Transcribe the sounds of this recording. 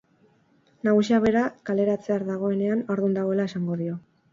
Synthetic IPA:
naɣusiaβe̞ɾakale̞ɾat͡se̞aɾðaɣ̞o̞e̞ne̞anoɾðund̪aɣo̞e̞lae̞saŋɡo̞ðio̞

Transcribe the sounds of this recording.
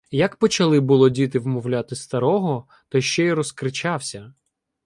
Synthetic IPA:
jɐkpɔt͡ʃɐlˠɪbʊlˠɔdʲit̪ɪwmɔwlʲat̪ɪst̪ɐɾɔɦɔ | t̪ɔjʃt͡ʃɛiɾɔskɾɪt͡ʃɑwsʲɐ

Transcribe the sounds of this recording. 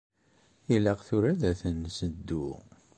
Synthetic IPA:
iləʁθʊɾæðæθənsəd̪ːu

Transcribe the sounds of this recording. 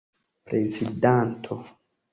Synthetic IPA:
pɾezidant̪ʰo

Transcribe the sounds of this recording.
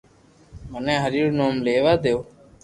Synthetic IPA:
mənẽːɦəɾiːoːnoːmleːʋaːd̪eoː

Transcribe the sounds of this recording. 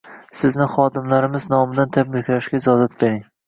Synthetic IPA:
sɪznɪχɒd̪ɪmlaɾɪmɪznɒmɪd̪ant̪ʰabɾɪkʲʰlaʃɡʲaɪzɒzat̪̚be̞ɾɪŋ

